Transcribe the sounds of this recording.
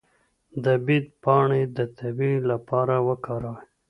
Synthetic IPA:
d̪əbid̪̚pɑɳed̪ət̪ʰabilapɑɾawəkɑɾaw

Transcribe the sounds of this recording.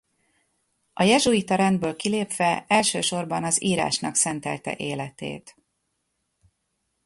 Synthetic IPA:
ɒjɛʒuit̪ɒɾɛnd̪bøːlkileːpʋɛɛlʃøːʃo̞rbɒnɒziːɾa̰ːʃnɒksɛnt̪ɛ̰lt̪ɛ̰ʔeːlɛt̪ḛːt̪

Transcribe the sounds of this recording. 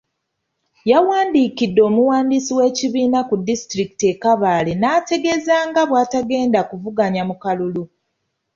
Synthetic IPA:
jawaːndiːkidːo̞ːmuwaːndisiwe̞ːciβiːnakudistɾiki̥te̞kaβaːle̞naːte̞ɡe̞zaːŋɡaβwaːtaɡe̞ːndakuvuɡaɲamukalulu

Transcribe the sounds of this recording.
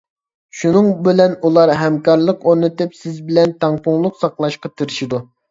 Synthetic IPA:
ʃunɨŋbɪlɛnulˠɑɾɦɛmkɑɾlˠəqoɾnɨt̪ɨpsɪzbɪlɛnt̪ʰɑŋpʊŋlˠʊqsɑqlˠɑʃqɑt̪ʰiɾɪʃid̪u

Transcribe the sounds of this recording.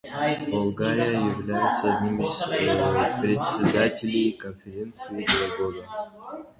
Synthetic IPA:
bɐlˠɡaɾʲɪjəjɪvlʲæjɪt̪səɐdʲnʲimɪz̥ | pɾʲɪtʲsʲɪd̪atʲɪlʲejkənfʲɪɾʲe̞nt̪sɨɪpʲɪlˠɐɡoɡə

